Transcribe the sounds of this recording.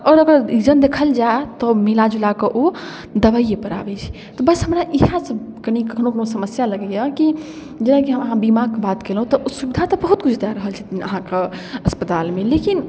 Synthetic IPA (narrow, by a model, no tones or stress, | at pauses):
ɔːɾəɡəɾid͡ʒənd̪ekʰəld͡ʒat̪ɔmilad͡ʒulakeʔo | d̪əbəjepəɾa̰bɛt͡ʃʰi̥ | t̪ɔbəsɦəmɾaʔiɦãsə | kənikəkʰnokənosəməsjaləɡɛjəki | d͡ʒenãkiɦəməɦãbimaɡ̚kbat̪kelɦũt̪ɔʔosubid̪ʱat̪ɔbəɦut̪̚kut͡ʃʰd̪aɾəɦəlt͡ʃʰit̪iəɦãkeəspət̪almelekin